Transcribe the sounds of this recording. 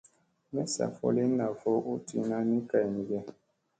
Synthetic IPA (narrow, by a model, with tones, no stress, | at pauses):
mɛ˦sa̰˨fɔ̰˦le˦na˨fɔ˦ʔo˦tḭ˨nã˦nĩ˦ka˨i˨ni˨ɡɛ˦